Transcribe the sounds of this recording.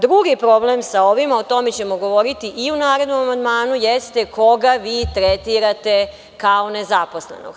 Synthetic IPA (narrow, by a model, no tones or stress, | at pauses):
d̪ɾuɡipɾo̞blemsao̞ʋimaot̪o̞met͡ɕe̞mo̞ɡo̞ʋo̞ɾit̪iʔiunaːɾe̞d̪no̞mamand̪maːnujest̪e̞kʰo̞ɡaʋiːt̪ɾet̪iɾat̪e | kao̞nezapo̞slḛno̰ɡ